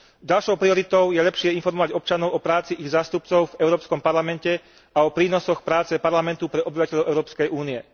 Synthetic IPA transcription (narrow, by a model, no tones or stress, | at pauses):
ɟalʃɔʊpɾiɔɾit̪ɔʊjɛʎɛpʃɪɛinfɔɾmɔʋaɟɔp̚t͡ʃanɔʊʔɔpɾaːt͡siʔiɣzaːst̪upt͡sɔʊvɛʊɾɔːpskɔmpaɾlamɛncɛ | aɔpɾiːnɔsɔxpɾaːt͡sɛpaɾlamɛnt̪upɾɛɔbiʋacɛʎɔʊɛʊɾɔːpskɛjʔuːniɛ